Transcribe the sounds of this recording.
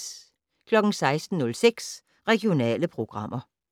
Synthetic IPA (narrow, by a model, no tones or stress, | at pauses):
kʰlɒ̽ɡ̥n̩sɑ̈ɪsd̥n̩nɔ̽lseɡ̥s | ʁɛɡjo̝nɛ̰ːləpʰʁo̝ɡ̥ʁɑ̈m̰ʔɐ